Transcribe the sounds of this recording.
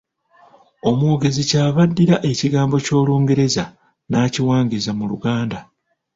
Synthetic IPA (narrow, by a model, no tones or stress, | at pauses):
o̞moːɡe̞zicaːβadːiɾaʔe̞ciɡaːmbo̞co̞ːluːŋɡeɾe̞za | naːciwaːŋɡizamuluɡaːnda